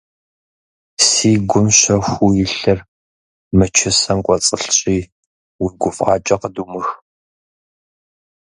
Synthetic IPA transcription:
siːɡʷʊmɕɐxʷujɪɬɨr | mɨt͡ʃʰɪsɐmkʷʼɔt͡sʼəɬɕʼiː | wʊɡʷʊfʼɑ̰ːt͡ʃʼɐqəduːmɨx

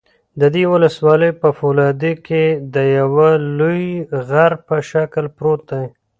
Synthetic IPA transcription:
d̪əd̪ewʊləswɑləjpəfolɑd̪eked̪əjawalujɣaɾpəʃakəlpɾot̪̚d̪aj

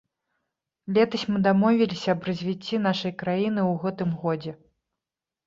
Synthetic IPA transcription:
lʲɛt̪ɐsʲmɨd̪amɔvʲilʲisʲɐɐbrɐzʲvʲit͡sʲːin̪aʂɐjkɾajinɨwɣɛt̪ɨmɣɔd͡zʲɛ

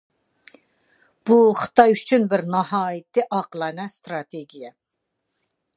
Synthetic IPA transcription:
b̥uχə̥t̪ʰɑjyt͡ʃʰynbɪɾnɑɦɑːjɪt̪ʰːɨʔɑqəlˠɑnɛst̪ɾɑt̪ʰeɡʲijɛ

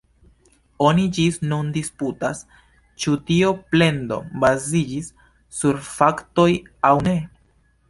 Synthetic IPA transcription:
o̞nid͡ʒisnundisputas | t͡ʃutio̞ple̞ndo̞̰bazid͡ʒisː | uɾfakto̞j | awne̞

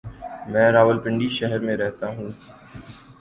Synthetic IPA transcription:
mɛ̃ːɾaːʋəlpɪ̃ɳɖiʃɛɦɛɾmẽɾɛɦt̪aɦũː

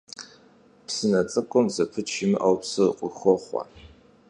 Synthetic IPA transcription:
psɨnɐt͡sʼɨkʷʼʊmzɐpʰɨt͡ʃʰɪmɨʔawpsɨqʷʼʊxʷɔχʷɑ̰

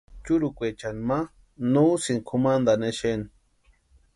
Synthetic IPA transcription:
t͡ʃuɾukʷet͡ʃanma | nusinkʰumand̪aneʃen

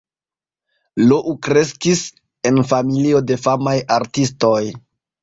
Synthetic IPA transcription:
loʔukɾe̞skis | e̞nfamilio̞de̞famajaɾtisto̞j

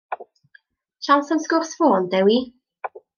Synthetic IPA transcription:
ʃawsənskʊrsfoːndɛwi

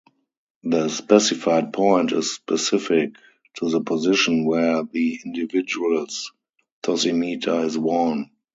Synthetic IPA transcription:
ðəspɛsɪfaɪd̚pʰɔ̃ɪ̃ntɪsspɛsɪfɪk | tʰuðəpʰɔzɪʃə̃nwɛðiɪ̃ndɪvɪd͡ʒuəls | tʰɔsimiːtʰaɪzwɔn

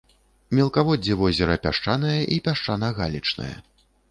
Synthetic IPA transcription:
mʲɛlˠkavɔd͡zʲːɛvɔzʲɛɾɐpʲaʂt͡ʂanɐjɐʔipʲaʂt͡ʂanɐɣa̰lʲit͡ʂnɐ̰jɐ̰

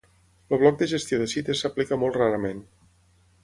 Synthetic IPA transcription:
ləβ̞lɔk̚d̪əʒəst̪ioðəsit̪əsːəplikəmɔlˠt̪raɾəmen

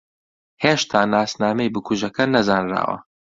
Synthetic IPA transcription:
heːʃt̪ʰaːnaːsnaːmejbɨkʰuʒɐkɐnɐzaːnra̰ːwɐ̰

